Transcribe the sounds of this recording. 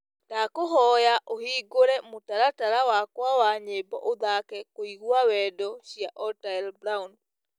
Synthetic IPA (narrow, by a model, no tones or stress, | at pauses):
dakoɦɔjaʔohiːɡoɾɛmotaɾataɾawakwawaɲebɔ̰ʔoðakɛkoiɣwawɛdɔɕijaʔɔtajlbɾaun